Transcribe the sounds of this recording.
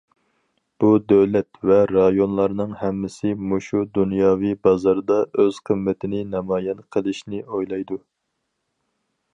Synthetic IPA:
b̥ud̪øwlɛt̪vɛɾɑjonlˠɑɾnɨŋhɛmːɪsɪmoʃud̪unjɑːvijbɑzɑɾɨd̪ɑøz̥qʰəmːɪt̪ʰɪnɪnɑmɑːjɛnqʰəlˠɪʃnɪojlˠɑjd̪u

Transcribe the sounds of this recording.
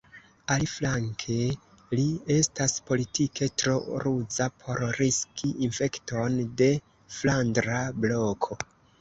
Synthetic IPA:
aliflaŋkʰe̞ | lie̞staspo̞litikʰe̞tɾo̞ɾud͡zapʰo̞ɾɾiskʰiinfe̞kto̞nde̞ | flandɾablo̞kʰo̞

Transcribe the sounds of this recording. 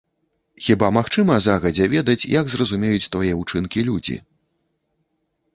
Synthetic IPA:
xʲibamaxt͡ʂɨmɐzaɣɐd͡zʲɛvʲɛd̪ɐt͡sʲjɐɡzrɐzumʲejut͡sʲt̪vajɛut͡ʂɨnkʲilʲud͡zʲḭ

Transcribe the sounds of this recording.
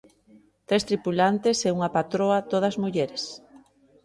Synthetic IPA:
t̪ɾest̪ɾipulant̪eseuŋapat̪ɾoat̪oð̞azmuʎeɾes

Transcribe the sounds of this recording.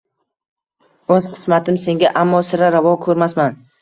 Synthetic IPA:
ɵz̥qʰɨ̥smat̪ʰɪmse̞ŋɡʲaʔamːɒsɪɾaɾavɒkʰɵɾmasman

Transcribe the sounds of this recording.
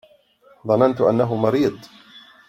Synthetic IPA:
ðˤɑnant̪ʊʔa̰nːaɦʊmɑɾiːd̪ˤ

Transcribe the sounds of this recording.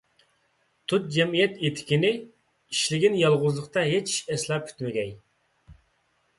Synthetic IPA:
t̪ʰut̪̚d͡ʒɛmijɛt̪et̪ʰɪ̥kʲinɪ | iʃlɪɡʲinjɑlˠʁʊzlˠəqt̪ɑɦet͡ʃʰi̥ʃɛslˠɑp̚kʲʰy̥t̪mɪɡʲɛj

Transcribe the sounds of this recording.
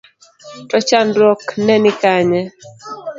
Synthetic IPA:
tɔt͡ʃandɔknɛnikaɲɛ

